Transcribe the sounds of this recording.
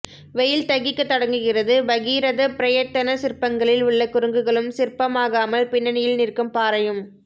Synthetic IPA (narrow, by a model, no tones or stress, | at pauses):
ʋɛjɪlt̪ɐɣɪkːɯt̪ːɐɽɐŋɡɯɣɪrɐðɯʋɐɣiːɾɐðɐpɪɾɐjɐt̪ːɐnɐsɪɾpːɐŋɡɐɭɪlʊɭːɐkʊɾɯŋɡɯɣɐɭɯmsɪrpːɐmaːɣaːmɐlpɪɳːɐnɐjɪlnɪrkɯmpaːɾɐjɯm